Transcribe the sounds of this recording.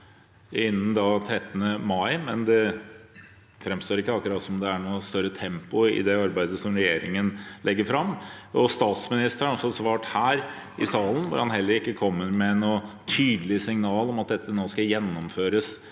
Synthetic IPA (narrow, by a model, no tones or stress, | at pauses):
ɪnːn̩d̪ɑt̪ʰɾɛt̪ːnəmɑɪmɛnd̪ɛ | fɾɛmst̪oːɾɪkːəɑkʊɾɑːt̪sɔmd̪ɛæɳuːst̪œɾːət̪ʰɛmpʊɪ̰d̪ɛɑɾbæɪd̪əsɔmɾɛjeːɾɪŋənlʔɛɡːəɾfɾɑmːɔst̪ɑːt̪smɪnɪst̪əɾɑɔsːɔsʋɑːʈhæːɾ | ʔɪsɑːlən̩ʋʊ̰ɾhɑnɦɛlːəɾɪkːəkʰɔmːəɾmɛnoː | t̪ʰyːd̪lɪsɪŋnɑːlɔmɑt̪̚d̪ɛt̪ːənoːskɑjɛnːɔmføːɾəs